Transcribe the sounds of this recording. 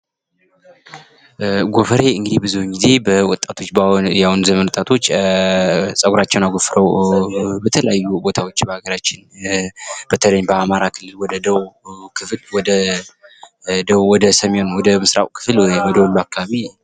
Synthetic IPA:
ɡo̞fəɾe̞ɨŋɡɨd̪ibɨzuwŋɡize̞bəwɔt̪ʼːat̪ʰo̞t͡ʃːbjawunzəmənwɔt̪ʼat̪ʰo̞t͡ʃː | sʼəɡuɾat͡ʃːɛwnaɡofɾəw | bət̪ʰələjajːubo̞t̪ʰawo̞t͡ʃːbəhaɡəɾat͡ʃːɪn | b̥ət̪ʰələɲːbəamaɾakʰɨlːɨlwɔd̪əd̪əwkʰɨflwɔd̪ə | d̪əwwɔd̪əsəmionwɔd̪əmɨsɾa̰wkʰɨ̥flwjwɔd̪əwɔlːuakːaβaβi

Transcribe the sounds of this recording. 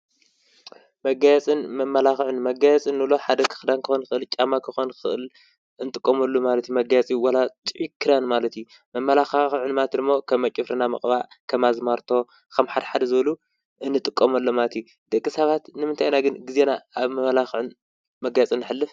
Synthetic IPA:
mɐɡajɛt͡sʼɨnmɐmːɐlaxʕɨnmɐɡajɛt͡sʼɨnːɨlo̞ħad̪ɐkʰɨ̥xɨd̪ankʰɨxonxɨʔɨlt͡ʃʼamakʰɨxonkɨɨʔɨl | ɨnɨt̪ʼɨkʼːomɐlːumalɐt̪jumɐɡajɐt͡sʼijuwalat̪ʼʕikʰːɨɾanmalɐt̪ju | mɐmːɐlaxaxʕɨnmat̪d̪ɨmːo̞kʰɐmːɐt͡ʃʼɨfɾɨnamɐ̰kʼβaʕkʰɐmazmaɾt̪ʰo̞ | kʰɐmħad̪ɐħad̪ɐzɨβɐlu | ʔɨnːɨt̪ʼɨkʼːomɐlːomalɐt̪ju | d̪̥ɐkʼːisɐβat̪nɨmɨnt̪ʰajnaɡɨnɡize̞naaβmɐmɐlaxʕɨn | mɐɡajɛt͡sʼɨnːɨħɨlːɨf

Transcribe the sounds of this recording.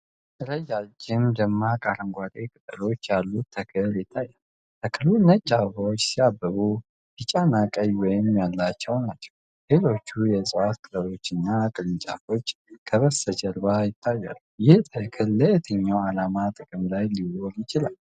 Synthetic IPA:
t̪ʰələjːad͡ʒɪmd̪əmːakʼaɾəŋɡʷad̪ʼekʼɨt̪ʼɨlo̞t͡ʃːjalːut̪ʰːəkʰɨljɪt̪ʰːajːal | t̪ʰəkʰɨlunət͡ʃʼːafəwot͡ʃːsiabːəβu | bɨt͡ʃʼːanakʼəjwɔjɪmjalːat͡ʃːɛwnat͡ʃːɛ̥w | lelo̞t͡ʃːujɛsʼɨʔat̪kʼɨləlo̞t͡ʃːɨnːakʼɨlɨnt͡ʃʼa̰fo̞t͡ʃːkʰəβəsəd͡ʒəɾbajɪt̪ʰːajːa̰lujɪht̪ʰəkʰɨlːəjɛt̪ʰəɲːawalamat̪ʼɨkʼɨmlajliwoljɪt͡ʃɪlal

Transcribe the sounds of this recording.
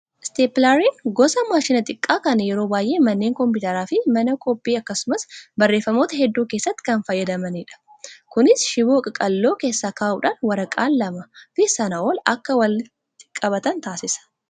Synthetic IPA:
ɪst̪eːpɪlaɾiːnɡɔsɐmaːʃɪnɐt̪ʼɪkʼːaːkɐnjɛɾo̞ːbaːjʔe̞ːmɐnːeːŋkɔmpʊːt̪ɐɾaːfɪmɐnɐkɔpʼːiːɐkːɐsʊmɐsbɐrːe̞ːfːɐmoːt̪ɐhɛd̪ːuːkeːsːɐt̪ːɪ̥kɐnfɐjːɐd̪ɐmɐniːᶑɐ̥ | kʊnɪsʃɪboːkʼɐkʼɐlːo̞ːke̞ːsːaːkaːʔṵᶑaːnwɐɾɐkʼaːnːɐmɐfɪsɐnɐʔoːlɐ̰kːɐwɐl | t̪ʼɪ̥kʼːɐβɐt̪ɐnt̪aːsɪsɐ̥

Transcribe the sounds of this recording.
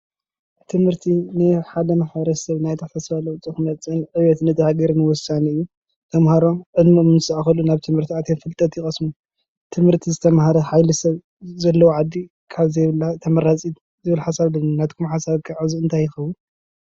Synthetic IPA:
t̪ʰɨmhɨɾt̪ʰinɨħad̪ɐnɨxabɾɐsɐβnajt̪ʰɐfɐsfalɐwt͡sʼɨxɨmɐt͡sʼɨnʕɨwɛt̪nɨt̪ʰɐhaɡɐɾnɨwɔsaniɨjːu | t̪ʰɐmhaɾomʕɨd̪mmnsɐaxɐlunaβt̪ʰɨmhɨɾt̪ʰiat̪ʰemfɨlt̪ʼɐt̪jɪxʼɐsmu | t̪ʰɨmhɨɾt̪ʰizɨt̪ʰɐmhaɾɐħajlɐsɐβ | zɐlːɐwoʕad̪ːi | kʰaβzɐjβlːat̪ʰɐmɐɾat͡sʼi | zɨβɨlħasaβlɐnnat̪kʰumħasaβkʰɨʕɨzuɨnt̪ʰajɪxɐwun

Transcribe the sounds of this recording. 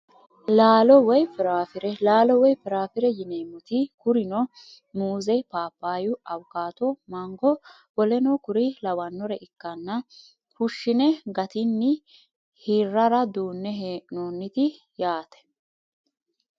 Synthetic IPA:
laːlɔwɔjpɪɾaːfɪɾɛlaːlɔwɔjpɪɾaːfɪɾɛjɪneːmʊt̪ɪkʊɾɪnɔ | muːzɛpaːpːaːjʊɐwkaːt̪ɔmɐŋɡɔ | wɔlɛnɔkʊɾɪlɐwɐnːɔɾɛʔɪkːɐnːɐ | hʊʃːɪnɛɡɐt̪ɪnːɪ | hirːɐɾɐd̪uːnːɛɦeːnoːnːɪt̪ɪ | jaːt̪ɛ̥

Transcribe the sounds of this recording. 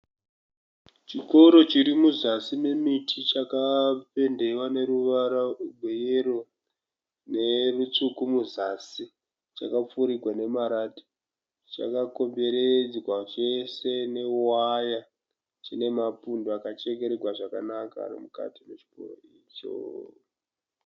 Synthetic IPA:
t͡ʃiko̞ɾo̞t͡ʃiɾimuzasime̞mitʰit͡ʃakape̞nde̞wane̞ɾuʋaɾauɡʱwejeɾo | ne̞rut͡ʂukumuzasi | t͡ʃakap͡fuɾiɡʱwane̞maɾati̥ | t͡ʃa̰kako̞mbe̞ɾed͡zwaʐese̞ne̞waja | t͡ʃine̞mapundoakat͡ʃe̞ke̞ɾeɡʱwaʐaka̰nakaa̰rḭmuka̰timet͡ʃi̥ko̰ɾo̰i | t͡ʃo̰

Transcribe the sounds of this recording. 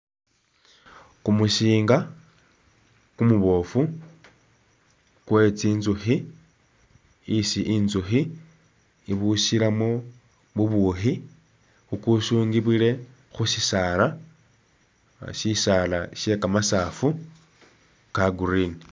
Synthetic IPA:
kumuʃiːŋɡa | kumuβo̞fu | kwe̞t͡siːnzuxi | siʔinzuxi | iβusiɾamo | βuβuxi | xukuʃuːŋɡiβile̞ | xusisala | ʃisalaʃe̞kamasafu | kaɡuɾinii

